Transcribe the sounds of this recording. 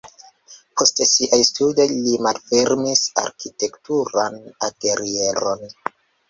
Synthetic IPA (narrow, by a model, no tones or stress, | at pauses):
pʰo̞stesiʔajstudejlimalfe̞ɾmisa̰ɾkite̞ktuɾana̰ɡe̞ɾie̞ɾon